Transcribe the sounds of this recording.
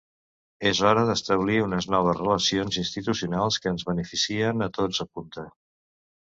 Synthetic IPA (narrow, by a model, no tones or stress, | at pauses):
ezɔɾəðəst̪əβ̞liunəznɔβ̞əzrələsionzinst̪it̪usiunalˠskəːnzβənəfisiənət̪od͡zəpunt̪ə